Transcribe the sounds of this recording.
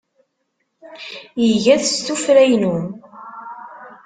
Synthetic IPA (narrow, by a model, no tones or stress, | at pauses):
jəʝæðst̪ufɾæjnum